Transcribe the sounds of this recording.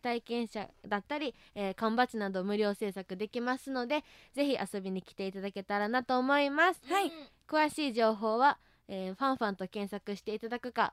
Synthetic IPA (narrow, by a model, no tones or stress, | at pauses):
t̪aikẽ̞ɰ̃ɕa̰d̪at̪ːaɾʲi | eːkãmbat͡ɕinad̪o̞mɯ̟ɾʲo̞ːse̞ːsakɯ̟d̪e̞kʲimasɨno̞d̪e̞ | ze̞çiʔaso̞bʲiɲ̟ikʲi̥t̪e̞it̪ad̪ake̞t̪aɾanat̪o̞ːmo̞imasɨ̥akɯ̟βaɕiːʑo̞ːɦo̞ːβa | eːɸãɰ̃ɸãnt̪o̞kẽ̞ɰ̃sakɯ̟ɕi̥t̪e̞it̪ad̪akɯ̟ka̰